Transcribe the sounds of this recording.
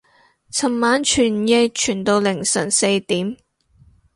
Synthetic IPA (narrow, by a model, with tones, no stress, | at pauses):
t͡sʰɐ˨˩mːaː˨˥nt͡ʃʰyː˨˩njɛ˧jt͡ʃʰyː˨˩nt̪o˧wlɪ˨˩ŋsɐ˨˩nse˧jt̪iː˨˥m